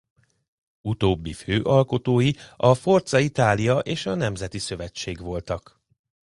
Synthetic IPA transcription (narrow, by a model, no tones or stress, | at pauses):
ut̪oːbːiføːʔɒlko̞t̪oːjiɒfo̞rt̪sɒit̪aːlijɒʔeːʃɒnɛmzɛt̪isø̞vɛt͡ʃːeːɡʋo̞lt̪ɒk